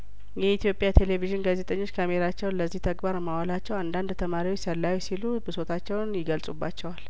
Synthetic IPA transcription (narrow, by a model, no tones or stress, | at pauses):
jɛit̪ʰjo̞pʼjat̪ʰe̞le̞viʒɪnɡaze̞t̪ʼəɲːo̞t͡ʃːkʰame̞ɾat͡ʃːɛwnləzːiht̪ʰəɡbaɾmawalat͡ʃːɛwand̪and̪t̪ʰəmaɾiwt͡ʃsəlːawusilubəso̞t̪ʰat͡ʃːɛwnjɪɡəlsʼubːat͡ʃːɛwal